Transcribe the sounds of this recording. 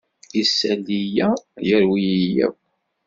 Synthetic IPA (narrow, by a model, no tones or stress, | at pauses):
isːælijæjəɾwijijæ̰w